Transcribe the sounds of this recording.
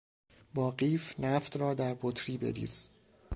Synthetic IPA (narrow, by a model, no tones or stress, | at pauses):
bɒːɢiːfnæft̪rɒːd̪æɾbot̪ʰɾiːbe̞̰ɾḭːz̥